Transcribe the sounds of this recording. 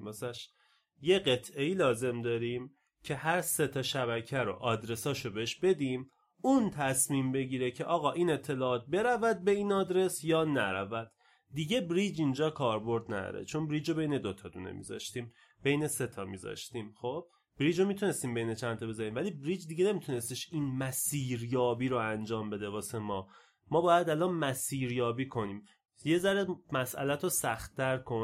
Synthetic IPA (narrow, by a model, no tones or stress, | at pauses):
mæsæʃ | je̞ɢe̞t̪ʰʔe̞jiːlɒːze̞md̪ɒːɾiːm | cʰe̞ɦæɾse̞t̪ʰɒːʃæβæcʰæɾo̰ʔɒːd̪ɾe̞sɒːʃobeɦeʃbe̞d̪iːm | unt̪ʰæsmiːmbe̞ɟiːɾecʰeʔɒːɣɒːʔiːne̞t̪ʰːe̞lɒːt̪̚be̞ɾævæd̪̚be̞ĩːnɒːd̪ɾe̞sjɒːnæɾæ̰væd̪̥ː | iɟe̞bɾiːd͡ʒind͡ʒɒːkʰɒːɾbo̞ɾd̪næ̰d̪ɒ̰ːɾḛt͡ʃʰo̞nbɾiːd͡ʒobe̞jne̞d̪ot̪ʰɒd̪uːnḛmḭzɒ̰ːʃt̪iːm | b̥e̞jne̞se̞t̪ʰɒːmiːzɒ̰ʃt̪iːmχob̥̚ | b̥ɾiːd͡ʒomit̪ʰune̞st̪iːmbejne̞t͡ʃʰænt̪ʰɒbe̞zɒɾiːmvæliːbɾiːd͡ʒd̪iɡe̞ne̞mit̪ʰune̞st̪eʃiːnmæsiːɾjɒːbiːɾoænd͡ʒɒːmbe̞d̪ebɒːsemɒː | mɒːbɒːjæd̪ælɒnmæsiːɾjɒːbiːkʰo̞niːm | je̞zæɾemæsʔæ̰læt̪ʰosæxt̪ʰːæɾkʰo̞